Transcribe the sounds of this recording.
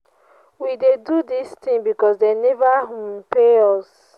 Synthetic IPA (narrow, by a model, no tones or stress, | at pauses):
widedudistĩŋbikɔsdenevaɦũmpeɔs